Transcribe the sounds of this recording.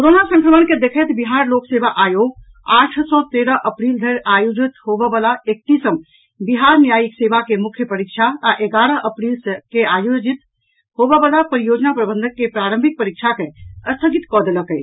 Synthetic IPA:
koɾonasə̃ŋkɾəmənked̪ekʰɛt̪biɦaɾloksebaʔajoɡ | aʈʰsɔt̪eɾəɦʔəpɾild̪ʱəɾajod͡ʒit̪ɦobebalaek̚t̪isəm | biɦaɾnjajiksebakemukʰjəpəɾikt͡ʃʰaaʔeɡaɾəɦəpɾilskeajod͡ʒit̪ | ɦobebalapəɾijod͡ʒnapɾəbə̃nd̪ʱəkːepɾaɾəmbʱik̚pəɾikt͡ʃʰakeəst̪ʰəɡit̪kɔd̪eləkəj

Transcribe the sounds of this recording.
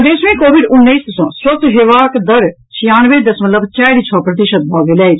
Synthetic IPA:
d̪eːsmẽːkoːʋiɖʊnːeisd̪ɐsɔ̃ːswɐt̪ɦeːʋaːkd̪ɐɾ | t͡ʃʰijaːnʋed̪ɐsmɐt̪ləbt͡ʃaːɾit͡ʃʰɔːpɾɐt̪iʃət̪̚bʱɔːɡelɛːid͡ʒ

